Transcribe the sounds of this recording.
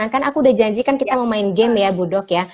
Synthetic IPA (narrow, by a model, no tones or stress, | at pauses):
aŋkanakuːdahd͡ʒaɲd͡ʒikankit̪aməmaɪnɡɛmjabudɔkja